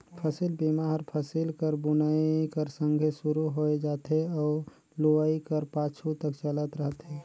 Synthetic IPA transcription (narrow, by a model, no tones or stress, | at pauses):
pʰəsilbimaɾpʰəsilkəɾbʊnəikəɾsə̃ŋɡʱesuɾuɦoed͡ʒaːt̪ɦeɔː | loʋaikəɾpaːt͡ʃʰut̪əkt͡ʃələt̪ɾəɦət̪ɦeː